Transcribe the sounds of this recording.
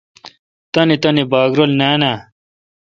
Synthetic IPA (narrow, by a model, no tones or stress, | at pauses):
t̪ɐnit̪ɐnibaːɡɾolnaːna